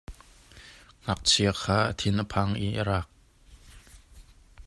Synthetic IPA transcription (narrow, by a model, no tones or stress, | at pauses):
ŋ̥ɐk̚t͡sʰiəkʰaːʔət̪ʰɪnʔəpʰaŋʔiʔəɾaːk̚